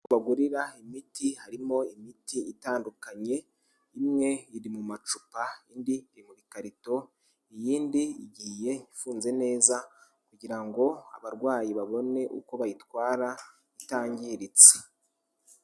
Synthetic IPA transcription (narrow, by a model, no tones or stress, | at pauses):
uβaɡuɾiɾaimitihaɾimo̞imitʰiʔitaːndukaɲe̞ | imŋe̞iɾimumat͡ʃu̥paindiiɾimuβikaɾito̞ | ijiːndiiɟiːje̞ifuːnze̞ne̞ːza | kuɟiɾaŋɡo̞a̰βaɾɡwaːjiβaβo̞ne̞ʔṵko̞βajitwaːɾa | itaːɲɟiɾit͡se̥